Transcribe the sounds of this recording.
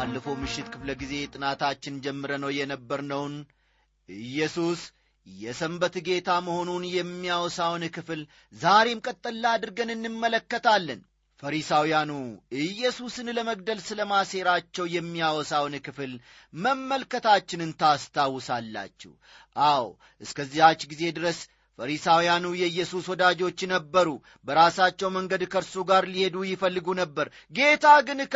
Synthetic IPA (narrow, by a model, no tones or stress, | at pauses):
alːəfowmɨʃːɪt̪kʰɨfləɡize̞t̪ʼɨnat̪ʰat͡ʃːɪnd͡ʒɛmːɨɾənəwjɛnəbːəɾnəwn | ʔɨjːɛsus | jɛsəmbət̪ɡe̞t̪ʰaməho̞nunjɛmːijawɔsawnkɨfl | zaɾe̞mkʼət̪ʼːəlːad̪ɨɾɡənɨnːɨmːələkːət̪ʰalːən | fəɾisawijanuɨjːɛsusɨnləməɡ̚d̪əlsɨləmase̞ɾat͡ʃːɛwjɛmːiawɔsawnkɨfɨl | məmːəlkət̪ʰat͡ʃːɪnɨnt̪ʰast̪ʰawːʊsalːa̰t͡ʃːɛ̰h | ʔaw | ʔɨskəzːihat͡ʃːɡize̞d̪ɨɾəs | fəɾisawijanujɛɨjːɛsuswɔd̪ad͡ʒo̞t͡ʃːnəbːəɾu | bəɾasat͡ʃːɛwməŋɡəd̪kʰəɾsuɡaɾlihe̞d̪ujɪfəlːɨɡunəbːəɾ | ɡe̞t̪ʰaɡɨn